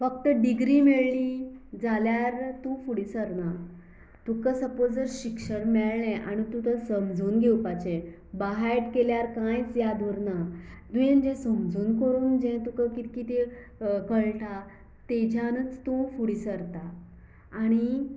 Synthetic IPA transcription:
fəkt̪əɖiɡɾiːmeɭlid͡zaljaɾt̪ũfuɽisəɾna | t̪ukəsəpod͡zd͡zəɾɕikʂəɾmɛɭlɛ̃ʔañit̪ũt̪əsəmd͡zʱuːnɡʱewpat͡ɕẽ | baɦajʈkeljaɾkãjt͡sjad̪ʱoɾna | d̪ujẽnd͡ʑɛ̃səmd͡zuːnkəɾuːnd͡ʑɛ̃t̪ukəkit̪kit̪e | kəɭʈʰa | t̪ed͡ʑʱanət͡st̪ũfuɽisəɾt̪aː | ɽ̃i

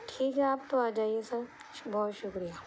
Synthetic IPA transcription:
ʈʰiːkɦɛaːp̚t̪oaːd͡ʒaːiesɐɾ | bɔːt̪ʃʊkɾijaː

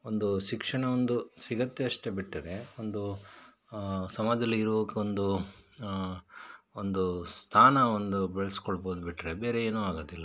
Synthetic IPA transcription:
o̞nd̪uʃikʂɐɳɐond̪usiɡɐt̪ːeɐʂʈebiʈːɐɾe̞ond̪u | sɐmaːd̪ɐlːiiɾuʋokeond̪u | ond̪ust̪ʰaːnɐond̪ubeɭɐskoɭboːd̪ubiʈːɾe̞beːɾe̞eːnuːaːɡoːd̪ilːɐ

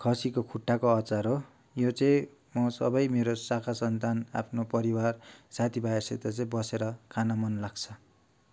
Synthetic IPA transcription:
kʰʌsikokʰuʈːakoʌt͡saɾo | jot͡sʌĩ | mʌsʌ̰bʌjmeɾosakʰasʌnt̪ana̰pʰnopʌɾiwarsat̪ʰibajeset̪at͡sʌĩbʌseɾʌkʰanamʌnlaɡt͡sʰʌ

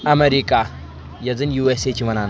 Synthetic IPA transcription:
ɐmeɾika | jɐd͡zɨnjuːeset͡ɕʰiʋɐnaːn

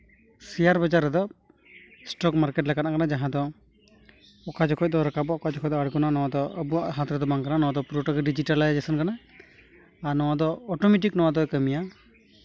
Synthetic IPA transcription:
siaɾbad͡ʒaɾɛd̪ɔ | sʈɔkmaɾkeʈ̬laɡanakanad͡ʒaɦãd̪ɔ | ɔkad͡ʒɔkʰɔc̚d̪ɔɾɔkabɔʔɔkad͡ʒɔkʰɔc̚d̪ɔaɽkɔnanɔwad̪ɔəbuaɦat̪ɾɛd̪ɔbaŋkananɔwad̪ɔpɾɔʈɔkɖid͡ʒiʈalad͡ʒesɔnkanaː | ɾnɔwad̪ɔːʈɔmɛʈ̬iknɔwad̪ɔkəmija

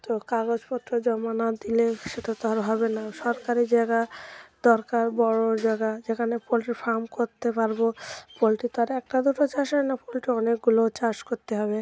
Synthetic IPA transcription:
t̪okaɡod͡ʑpɔt̪ːɾod͡ʑɔmanad̪ileʃeʈat̪aɾɦɔbenaʃɔɾkaɾid͡ʑaeɡad̪ɔɾkaɾbɔɽod͡ʑaɡad͡ʑekʰanepolʈiɾfaɾmkoɾt̪epaɾbopolʈit̪aɾɛk̚ʈad̪uʈot͡ɕaʃɦɔenapolʈiɔnek̚ɡulot͡ɕaʃkoɾt̪eɦɔbe

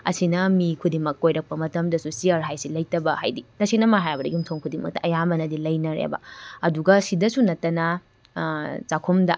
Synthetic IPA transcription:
ɐ̰sinɐmikʰudimɐkːojɾɐk̚pɐmɐtɐmdɐsusiɐɾɦajsilɐjtɐbɐha̰jditɐsinɐmaɦajbɐdɐɡumtʰoŋkʰudimɐ̰k̚tɐʔɐjabɐnɐdilɐjnɐɾḛbɐ̰ɐduɡɐsidɐsunɐtːɐnɐ | t͡ʃakʰomdɐ

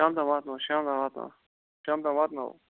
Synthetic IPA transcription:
aːmt̪amat̪nawoʃɑːmt̪amaːt̪na̰ | ʃaːmt̪amɑt̪na̰wo̰

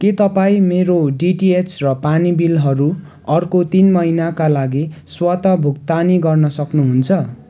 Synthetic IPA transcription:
ket̪ʌpaĩmeɾoɖiʈiet͡srʌpanibilɦʌɾu | ʌrkot̪inmʌinakalaɡiswʌt̪ʌbʱuk̚t̪aniɡʌrnʌsʌknuɦunt͡sʰʌ

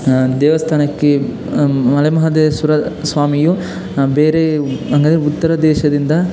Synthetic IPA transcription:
d̪ɛːʋɐst̪ʰaːnɐkːe | mɐlɐjmɐɦɐd̪esuɾɐsʋaːmiju | beːɾeɐŋɡɐnd̪ɾeut̪ːɐɾɐd̪ɛːʃɐd̪ind̪ɐ

